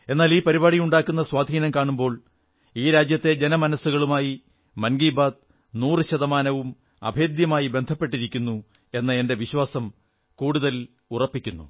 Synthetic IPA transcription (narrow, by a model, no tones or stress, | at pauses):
e̞nːaːliːpɐɾibaːɽijuɳɖaːkːunːɐswaːd̪ʱiːnɐmkaːɳumbo̞ːɭ | iːɾaːd͡ʑjɐt̪ːe̞d͡ʑenɐmɐnɐsːuɣɐɭumaːji | mɐnɡiːbaːd̪̚ | nuːrɨɕɐðɐmaːnɐʋum | ɐ̰bʱeːd̪jɐmaːjibe̞nd̪ʱɐpːe̞ʈ̬ːiɾikʲːunːu | e̞nːɐe̞nde̞ʋiɕwaːsɐm | kuːɽuðɐl | urɐpːikʲːunːṵ